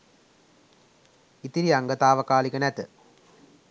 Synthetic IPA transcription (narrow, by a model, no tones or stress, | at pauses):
it̪iɾiɐŋɡɐt̪aːʋɐkaːlikɐnɛt̪ɨ